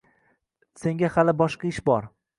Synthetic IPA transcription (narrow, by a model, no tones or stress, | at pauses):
se̞ŋɡʲahalɪbɒʃqɑɪʃbɒɾ